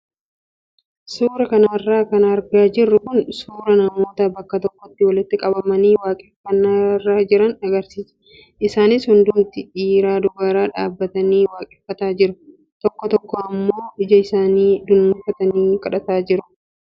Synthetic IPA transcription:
suːɾɐkɐnɐrːaːkɐnɐɾɡaːd͡ʒɪrːʊkʊnsuːɾɐnɐmo̞ːt̪ɐbɐkːɐt̪ɔkːɔt̪ːɪwɐlɪt̪ːɪkʼɐbɐmɐniːwaːkʼɛfːɐnːarːaːd͡ʒɪɾɐnɐɡɐɾsiːsɛ̥ | ʔɪsaːnɪshʊnd̪ʊnt̪ɪᶑiːɾaːd̪ʊɡaːɾaːᶑa̰ːbːɐt̪ɐniːwaːkʼɛfːɐt̪aːd͡ʒɪɾʊ | t̪ɔkːɔt̪ɔkːɔɐmːo̞ːʔɪd͡ʒɐɪsaːniːd̪ʊnːʊfɐt̪ɐniːkʼɐᶑɐt̪aːd͡ʒɪɾʊ̥

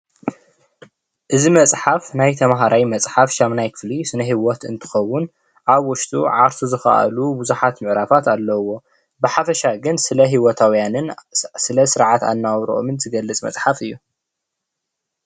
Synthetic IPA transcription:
ʔɨzimɐt͡sʼħafnajt̪ʰɐmɦaɾajmɐt͡sʼħafʃamnajkʰɨ̥flisɨnɐɦiwɔt̪ɨ̰nt̪ʰɨ̥xɐwːʊn | ʔaβwɔʃt̪ʼṵʕaɾt̪ʰuzɨxa̰ʔa̰lubuzuħat̪mɨʕɾafat̪alːɐwo̞ | bɨħafɐʃaɡɨnsɨlɐɦiwɔt̪ʰawjanɨnsɨlɐsɨɾʕat̪a̰nːawɾo̰ʔo̰mɨnzɨɡɐlːɨt͡sʼmɐ̰t͡sʼħafɨjːu

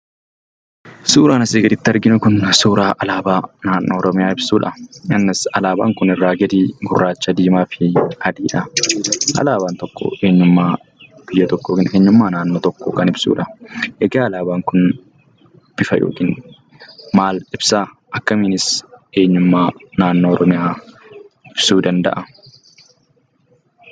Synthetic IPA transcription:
suːɾaːnɐseːɡɪɾɪt̪ːɪɐɾɡɪnʊkʊnsuːɾaːʔɐlaːbaːnaːnːɔːɾɔmɪjaːɪb̥suːᶑɐɐnːɪsɐlaːba̰ːŋkʊnɪrːaːɡɛd̪iːɡʊrːaːt͡ʃːɐd̪iːmaːfɪhɐd̪iːᶑɐʔɐ̰laːbaːnt̪ɔkːo̰ːʔe̞ːɲːʊmːaː | b̥ɪjːɐt̪ɔkːoːkɪnʔeːɲːʊmːaːnaːnːoːt̪ɔkːoːkɐnɪbsṵːᶑɐʔɛɡaːɐlaːbaːŋkʊn | b̥ɪfɐjo̰ːkɪn | maːlɪbsaː | ʔɐkːɐmɪnɪse̞ːɲːʊmːaːnaːnːoːɾʔɔmɪjaː | ɪb̥suːd̪ɐnd̪ɐ̰ʔɐ

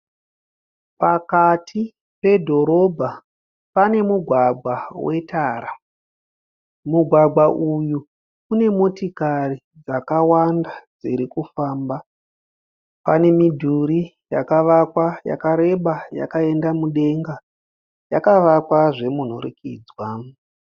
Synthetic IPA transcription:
pakatʰi | pe̞dʱo̞ɾo̞bʱa | pane̞muɡʱwaɡʱwawe̞taːɾa | muɡʱwaɡʱaʔuju | kune̞mo̞tikari | d͡zakawandad͡ziɾikufaːmba | pane̞midʱuɾi | ja̰kaʋakwaja̰kaɾe̞ɓaja̰kae̞ndamuɗe̞ŋɡa | jakaʋakwaʐe̞mun̤oɾḭkḭːd͡zwa

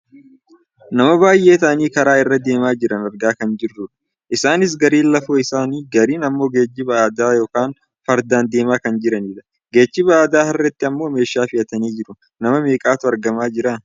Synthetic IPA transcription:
nɐmɐbaːjʔe̞ːt̪ɐʔɐniːkɐɾaːɪrːɐd̪e̞ːmaːd͡ʒɪɾɐnɐɾɡaːkɐnd͡ʒɪrːʊᶑɐ̥ | ʔɪsaːnɪs̬ɡɐɾiːnlɐfoːɪsaːniːɡɐɾiːnɐmːo̞ːɡe̞ːd͡ʒːɪbɐaːd̪aːjo̞ːkaːn | fɐɾd̪aːnd̪e̞ːmaːkɐnd͡ʒɪɾɐniːᶑɐ̥ | ɡe̞ːd͡ʒːɪbɐaːd̪aːhɐrːɛt̪ːɪɐmːo̞ːme̞ːʃːaːfɪʔɐt̪ɐniːd͡ʒɪɾʊ | nɐmɐme̞ːkʼaːt̪ʊɐɾɡɐmaːd͡ʒɪɾa

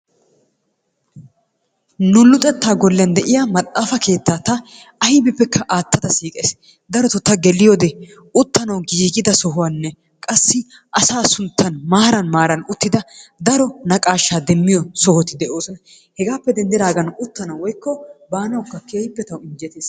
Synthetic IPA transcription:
nʊlːʊt̪ʼɛt̪ːaːɡɔlːɪjɐnd̪ɛʔɪjamɐt̪ʼːaːfɐke̞ːt̪ːaːt̪ɐ | ɐhɪbɪpːɛkːɐʔaːt̪ːɐd̪ɐsiːkʼḛːs | d̪ɐɾɔt̪ɔt̪ːɐɡɛlːɪjod̪ɛ | ʊt̪ːɐnɐwɡiːɡɪd̪ɐsɔɦʊwanːɛ | kʼɐsːɪ | ʔɐsaːsʊnt̪ʰːɐnmaːɾɐnmaːɾɐnʊt̪ːɪd̪ɐd̪ɐɾɔnɐkʼaːʃːaːd̪ɛmːɪjɔsɔhɔt̪ɪd̪ɛʔoːsɔnɐ | hɛɡaːpːɛd̪ɛnd̪ɪɾaːɡɐnʊt̪ːɐnɐwwɔjkːɔbaːnɐwkːɐkeːhɪpːɛt̪ɐwɪnd͡ʒɛt̪eːs

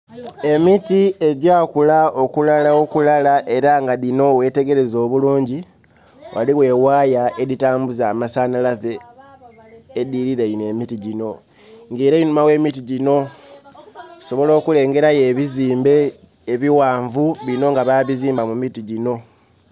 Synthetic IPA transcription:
e̞mitie̞ɟaːkulao̞kulalao̞kulalaʔe̞ɾaŋɡaðino̞we̞te̞ɡe̞ɾe̞zo̞ːβuluːɲɟi | wʔa̰liwe̞ːwaːjae̞ðitaːmbuzamasaːnalaze̞ | diɾiɾeine̞mitiɟino̞ | ŋɡeːɾainumawe̞ːmitiɟino̞ | so̞βo̞lo̞ːkule̞ːŋɡe̞ɾaje̞βiziːmbe̞ː | βiwaːɱvuβino̞ŋɡaβaβiziːmbamumitiɟino̞

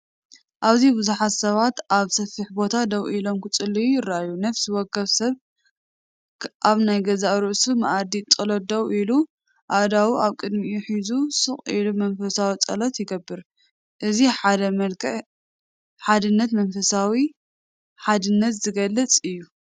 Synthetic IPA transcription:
ʔaβzibɨzuħat̪sɐβat̪ʔaβsɐfiħbo̞t̪ʰad̪ɐwʔilo̞mkɨt͡sʼɨlːijujɪɾajunɐfsiwɔkʰːɐβsɐβ | ʔaβnajɡɐzaɾuʔsumɐʔad̪it͡sʼɐlot̪̚d̪ɐwʔilu | ʔad̪awiʔaβkʼɨd̪mijuħizusɨχʼḭlumɐnfɐsawit͡sʼɐ̰lot̪jɪɡɐbːɨɾ | ʔɨziad̪ɐmɐlkʰɐʕ | ħad̪ɨnːɐt̪mɐnfɐsawi | ħad̪ɨnːɐt̪zɨɡɐlːɐt͡sʼɨjːu

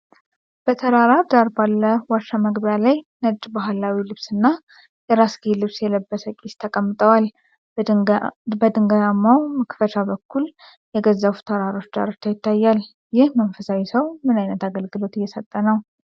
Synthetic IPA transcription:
b̥ət̪ʰəɾaɾaɾd̪aɾbalːəwaʃːaməɡbəjalajnəd͡ʒʼbaɦlawilɨβsɨnːa | jɛɾasɡilɨβsjɛləbːəsəkʼist̪ʰəkʼəmːɨt̪ʼəwal | bəd̪ɨŋɡajamːawməkfət͡ʃabəkʰːul | jɛɡəzːaβut̪ʰəɾaɾo̞t͡ʃːd̪a̰ɾt̪ʰːajɪt̪ʰːajːal | jɪhmənfəsawisəwmɨnajnət̪aɡəlɡɨlo̞t̪ɪjːɛsət̪ʼːənəw

